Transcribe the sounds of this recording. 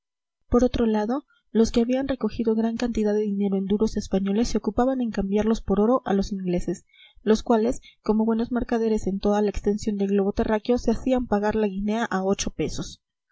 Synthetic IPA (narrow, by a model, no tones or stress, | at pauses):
po̞ɾo̞t̪ɾo̞laðo̞ | lo̞ske̞aβianre̞ko̞xiðo̞ɣɾaŋkant̪iðaðe̞ðine̞ɾo̞e̞nd̪uɾo̞se̞spaɲo̞le̞sːeokupaβane̞ŋkambjaɾlo̞spo̞ɾo̞ɾo̞ʔalo̞siŋɡle̞se̞s | lo̞skwale̞sko̞mo̞βwe̞no̞zmeɾkaðe̞ɾe̞se̞nt̪oðalaekst̪e̞nsjo̞nd̪e̞lɣlo̞βo̞t̪erakjo̞se̞asiampaɣaɾlaɣine̞aʔao̞t͡ʃo̞pe̞so̞s